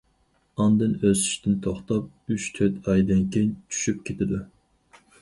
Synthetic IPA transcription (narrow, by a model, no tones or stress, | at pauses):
ɑnd̪ɨnøzy̥ʃt̪ʰɪnt̪ʰoχt̪ɑp̚yt͡ʃt̪ʰøt̪ɑjd̪ɪnkʲʰejnt͡ʃʰy̥ʃyp̚kʲʰet̪ʰɪd̪u